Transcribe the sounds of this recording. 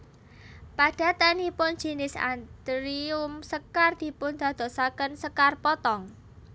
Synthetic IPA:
paɖ̥a̤t̪anipʊn̥d͡ʒ̥i̤nɪsa̰nd̪̥ɾiʊmsəkard̪̥i̤pʊnd̪̥ä̤d̪̥ɔ̤sakənsəkarpɔt̪ɔŋ

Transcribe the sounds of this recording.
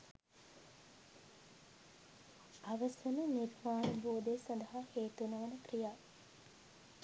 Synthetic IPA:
ɐʋəsɐnəniɾmaːnuboːd̪esɐnd̪ɐɦaheːt̪unɐʋɐnəkrijaː

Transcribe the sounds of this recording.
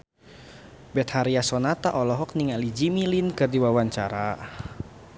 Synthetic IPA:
bɛt̪̚haɾiasɔnat̪aʔɔlɔɦɔk̚niŋalid͡ʒimilinkɨrdiwawaɲt͡ʃaɾa

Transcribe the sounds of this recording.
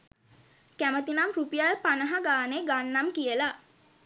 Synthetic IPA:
kæmət̪inamrupijalpanəɦaɡaːneɡanːamkijəla

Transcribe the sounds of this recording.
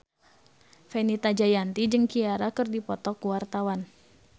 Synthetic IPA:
fɛnit̪ad͡ʒajant̪id͡ʒɨŋkiaɾakərdipɔt̪ɔkuwart̪awan

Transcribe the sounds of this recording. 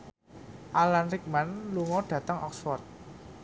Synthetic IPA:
ʔalanɾik̚manluŋɔɖ̥ä̤t̪əŋɔ̰ksfɔrt̪̚

